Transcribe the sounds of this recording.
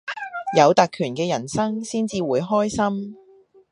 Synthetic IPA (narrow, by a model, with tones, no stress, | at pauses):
jɐ˨˧wt̪a˨˧kʰyː˨˩nkɛː˧jɐ˨˩nsɐ˥ŋsiː˥nt͡siː˧wuː˨˧jɦɔː˥jsɐ˥m